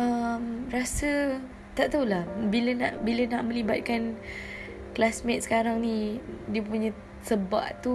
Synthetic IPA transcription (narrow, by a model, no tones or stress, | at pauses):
əmrasə | t̪aʔt̪aulahbilənaʔbilənaʔmə̃libat̪̚kan | klasmɛt̪̚sə̥kaɾaŋnidiəpuɲə̃ | səba̰ʔt̪u